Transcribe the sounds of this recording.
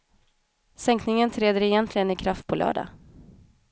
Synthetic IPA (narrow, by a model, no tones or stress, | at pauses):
sɛŋknɪŋənt̪ʰɾeːd̪əɾɛjɛnt̪lɪɡənɪkʰɾaft̪̚pʰɔlœ̰ːɖa̰